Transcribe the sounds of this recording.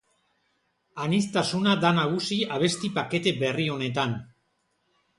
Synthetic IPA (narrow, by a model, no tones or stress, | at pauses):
anist̪asunad̪anaɣ̞usiaβ̞e̞st̪ipake̞t̪e̞be̞rio̞ne̞t̪an